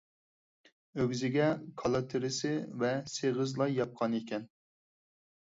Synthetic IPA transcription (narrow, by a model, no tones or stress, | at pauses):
øwzɪɡʲɛkʰɑlˠɑt̪ʰɪɾɪsɪvɛseʁɨzlˠɑjɑp̚qʰɑnekʲɛn